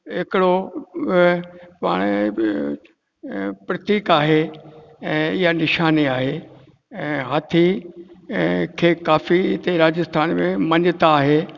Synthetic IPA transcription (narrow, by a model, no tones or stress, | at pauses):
ɦɪkɪɽo | pa̰ːɽ̃ | pɾɐt̪iːkaːɦeɛ̃ːɪɦanɪʃaːniaːɦẽː | ɦat̪ʰi | kʰeːkaːfiɪt̪eɾaːd͡ʑəst̪ʰaːnmẽmɐ̃ɲɪt̪aːɦeː